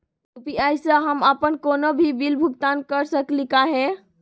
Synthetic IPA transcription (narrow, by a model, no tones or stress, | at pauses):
upiajsəɦəməpənkonobʱibilbʱukt̪ankəɾsəklikaɦẽ